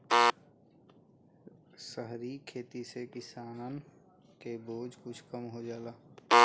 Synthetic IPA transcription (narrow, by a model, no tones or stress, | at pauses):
səɦɾikʰeːt̪isekɪsaːnən | keboːd͡ʒkʊt͡ʃʰkəmɦod͡ʒaːlaː